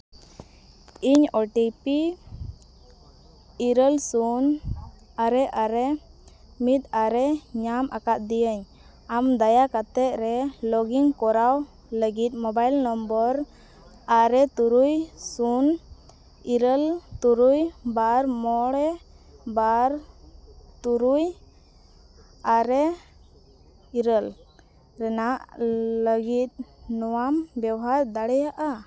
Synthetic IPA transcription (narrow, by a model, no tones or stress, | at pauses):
iɲɔʈipi | iɾəlsun | aɾɛʔaɾɛ | mit̪̚aɾɛɲamʔa̰kat̪̚d̪ijəɲ | amd̪ajakat̪ɛt̪̚ɾɛlɔɡiŋkɔɾaw | ləɡit̪̚mɔbajlnɔmbɔɾ | aɾɛt̪uɾujsun | iɾəlt̪uɾujbaɾmɔɽɛ | baɾ | t̪uɾuj | aɾɛ | iɾəl | ɾɛnaʔləɡit̪̚nɔwambjɛwɦaɾd̪aɽɛjaʔa